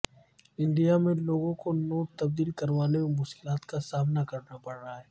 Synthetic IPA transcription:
ɪ̃ɳɖijamẽloːɡõkonoːʈt̪ɐb̚d̪iːlkɐɾʋaːnememʊʃkɪlaːt̪kasaːmnakɐɾnapɐɽːaɦaɦɛː

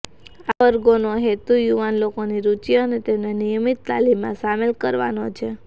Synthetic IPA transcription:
aʋəɾɡonoɦet̪ujuʋanlokoniɾut͡ʃjonet̪emnenijəmit̪ːa̰limːã̰samelkəɾʋa̰not͡ʃʰe

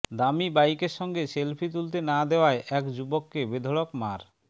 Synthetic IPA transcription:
d̪amibajkeɾʃɔŋɡeʃelpʰit̪̬ult̪̬enad̪eoaeʔɛkd͡ʑubokːebed̪ʱolokmaɾ

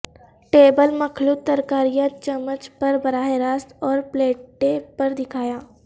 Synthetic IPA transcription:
ʈeːbəlmɐkʰluːt̪ːɐɾkaːɾijãt͡ʃɐmət͡ʃpɐɾbɐɾaːɦeɾaːst̪ɔːɾpleːʈːepɐɾd̪ɪkʰaːjaː

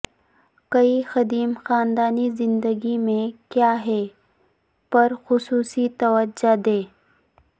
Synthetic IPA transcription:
kɐixɐd̪iːmxaːnd̪aːnizɪ̃nd̪əɡimẽkjaːɦɛː | pɐɾxʊsuːsit̪ɐʋəd͡ʒad̪eː

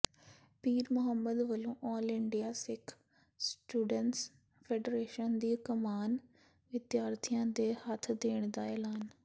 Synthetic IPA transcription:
piːɾmʊɦəmːəd̪ʋɐlõʔɔːlɪɳɖijasɪkʰ | sʈuːɖəɳʈs | feːɖɾeːʃənd̪iːkɐmaːn | ʋɪd̪jaːɾt̪ʰijãd̪ehat̪ʰd̪eːɽ̃d̪aeːlaːn

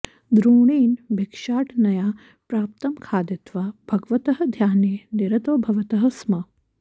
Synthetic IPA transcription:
d̪ɾuːɳiːnbʱekʂaːʈnɐjaː | pɾaːp̚t̪ɐmkʰaːd̪jɐt̪ʋaːb̥ʱɐɡʋɐt̪ɐɦɐ̆d̪ʱjaːneːneɾɐt̪oːbʱɐʋɐt̪ɐɦɐsmɐ

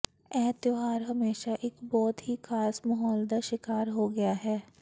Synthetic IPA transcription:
ɛːt̪joɦaːɾɦɐmeːʃaʔeːkbɔːt̪ɦikʰaːsmɐɦɔːld̪aʃɪkaːɾɦoɡɐjaɦɛː

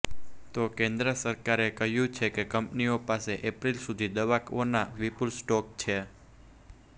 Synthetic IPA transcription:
t̪okẽnd̪ɾəsəɾkaɾekəɦjũt͡ʃʰekekəmpniopaseʔepɾilsud̪ʱid̪əʋakʋonaʋipulsʈɔk̚t͡ʃʰe

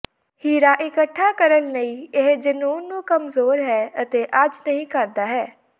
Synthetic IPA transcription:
hiːɾaːʔɪkəʈʰːaːkəɾəlnəĩːeɦd͡ʒənuːnːũːkəmzoːɾɦɛːət̪eːʔad͡ʒnəɦĩːkəɾd̪aːɦɛː

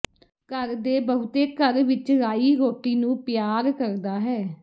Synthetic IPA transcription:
kəɾd̪eːbəɦʊt̪eːkəɾʋɪt͡ʃɾaːiːɾoːʈiːnũːpɪjaːɾkəɾd̪aːɦɛː

